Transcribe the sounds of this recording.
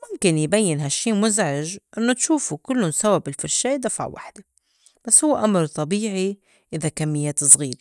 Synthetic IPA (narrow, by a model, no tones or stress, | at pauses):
mʊmkɪnjbajːɪnɦaʃːiːmʊzʕɪʒʔɪnːot̪ʃuːfukɪlːʊnsababɪlfɪɾʃeːd̪afa̰ʕwa̰ħd̪e | b̥asːhʊwːeʔamɾt̪ˤɑbiːʕi | ʔɪðakamːɪjːeːt̪sˤɣiːɾe